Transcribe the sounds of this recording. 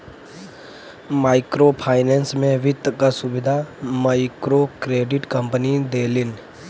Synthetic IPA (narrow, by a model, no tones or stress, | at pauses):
maːɪkɾoːpʰaːɪneːnsmẽʋɪt̪ːkasʊbɪd̪ʱamaːɪkɾokɾeːɖɪʈkə̃mpənid̪eːlɪn